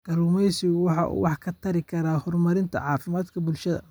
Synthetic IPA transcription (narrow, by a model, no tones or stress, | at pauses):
ɡ̥ɐluːmɛjsɪɣwɑħɑʔṵːwɑħkʰɐt̪ʰɐɾɪkʰɐɾaːhɔrmɐɾɪnt̪ʰɐ̰ʕɑːfɪmaːd̪kʰɐbʊlʃɐðɐ̰